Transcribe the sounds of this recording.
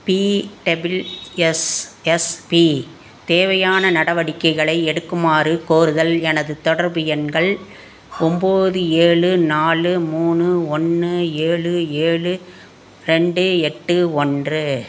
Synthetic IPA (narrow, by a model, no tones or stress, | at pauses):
piʈɐbɪlɛsɛspi | t̪eːʋɐjaːnɐnɐɽɐʋɐɽɪkːɐɪɣɐɭɐɪɛɽɯkːɯmaːrɯkoːɾɯðɐlɛnɐðɯt̪ɔɽɐɾbɯjɐnɡɐɭ | ɔmboːðɯeːɭɯnaːlɯmuːnɯɔnːɯeːɻɯeːɭɯ | ɾɛɳɖɯɛʈːɯɔndrɯ